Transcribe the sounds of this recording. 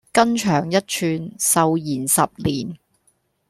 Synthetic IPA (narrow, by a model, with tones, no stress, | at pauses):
kɐ˥nt͡ʃʰœː˨˩ŋjɐ˥t̚t͡ʃʰyː˧nsɐ˨wjiː˨˩nsɐ˨p̚liː˨˩n